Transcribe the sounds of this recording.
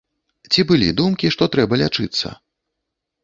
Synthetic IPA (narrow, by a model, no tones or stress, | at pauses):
t͡sʲibɨlʲḭd̪umkʲiʂt̪ɔt̪ɾɛbɐlʲat͡ʂɨt̪sːɐ̰